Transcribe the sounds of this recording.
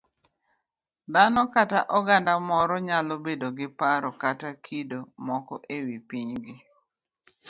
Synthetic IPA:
d̪anɔkataʔɔɡandamɔɾɔɲalobedoɡɪpaɾɔkatakʰidomɔkɔʔewipiɲɡɪ

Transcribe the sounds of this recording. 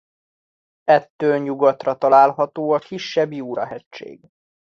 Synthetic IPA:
ɛt̪ːøːlɲuɡot̪rɒt̪ɒlaːlɦɒt̪oːɒkiʃːɛbjiuːɾɒɦɛt͡ʃt͡ʃːḛːɡ

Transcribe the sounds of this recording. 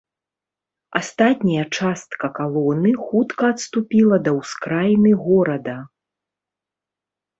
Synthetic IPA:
ast̪at̪ʲnʲɐjɐt͡ʂast̪̚kɐkalˠɔnɨxut̪kɐːt̪st̪upʲilˠɐd̪ɐwskɾajnɨɣɔɾɐd̪ɐ

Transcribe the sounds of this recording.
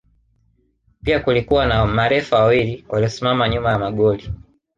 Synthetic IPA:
piakulikuwanamaɾɛfawawiliwaliɔsimamaɲumamaɡɔli

